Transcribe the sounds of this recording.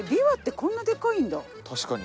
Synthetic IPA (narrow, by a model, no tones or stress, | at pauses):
bʲiβat̪ːe̞kõ̞nːad̪e̞kaĩnd̪a | t̪ʰaɕi̥kaɲʲi